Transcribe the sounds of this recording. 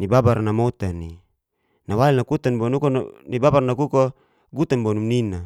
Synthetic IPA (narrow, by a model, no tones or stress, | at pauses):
nibabarnamot̪ani | nawalilnakut̪anbonukonibabarnakuko | ɡut̪anbonumnina